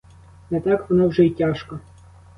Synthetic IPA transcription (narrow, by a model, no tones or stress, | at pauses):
nɛt̪ɑkʋɔnowʐɛitʲɑʃkɔ